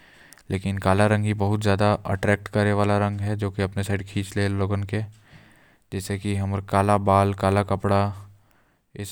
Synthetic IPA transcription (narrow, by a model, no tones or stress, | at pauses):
leːkɪnkaːlaɾɐ̃ŋɡɦibɐɦʊt̪zjaːd̪aʔə̰ʈɾɛːk̚ʈkɐɾneʋaːlaɾɐ̃ŋɡɦɛd͡ʒoːkiɐpnesaːɪɖkʰiːt͡ʃleːlːoːɡənke | d͡ʒɛːsekiɦɐmɾkaːlabaːlkaːlakɐpɽa | ɪs